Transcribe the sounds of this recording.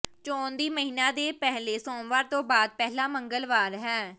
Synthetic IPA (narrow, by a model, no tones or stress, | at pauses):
t͡ʃɔ̃ːnd̪iːməɦiːnãːd̪eːpɛɦleːsɔ̃ːʋaːɾt̪õːbaːd̪̚pɛɦlaːməŋɡəlʋaːɾɦɛː